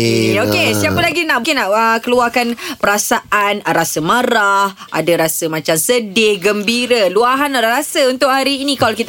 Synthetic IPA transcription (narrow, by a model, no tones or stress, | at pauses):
okesiapəlaɡinaʔkɪnaʔəkəluarkanpəɾasaʔanɾasəmaɾah | ʔa̰dəɾasəmãt͡ʃamsədɪhɡəmbiɾəluaɦanalarɾasəunt̪ʊʔ̚haɾiːnikalokit̪